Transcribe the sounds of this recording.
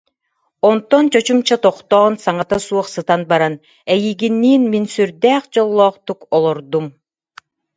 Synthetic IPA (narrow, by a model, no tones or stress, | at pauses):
ɔnt̪ɔnt͡ɕɔt͡ɕumt͡ɕat̪ɔχt̪ɔːnsaŋat̪asuɔχsɯt̪anbaɾan | ɛjiːɡinːiːnminsyɾd̪æːχd͡ʑɔlˠːɔːχt̪ukɔlˠɔɾd̪um